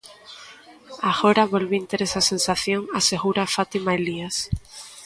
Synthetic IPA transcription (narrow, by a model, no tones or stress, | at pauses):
aɣoɾaβolβint̪eɾesasensaθjoŋaseɣuɾafat̪imaelias